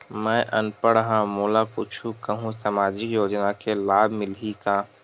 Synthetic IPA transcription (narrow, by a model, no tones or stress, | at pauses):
mɛ̃ːʔɐ̰npəɽɦãmoːlakʊt͡ʃʰukəɦũsaːmaːd͡ʒɪkjoːd͡ʒnakelaːbʱmɪlɦikaː